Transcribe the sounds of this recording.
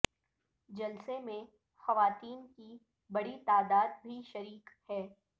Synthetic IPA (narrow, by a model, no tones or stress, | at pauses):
d͡ʒɐlsemẽ | xɐʋaːt̪iːnki | bɐɽit̪aːd̪aːd̪̚bʱiʃɐɾiːkhɛː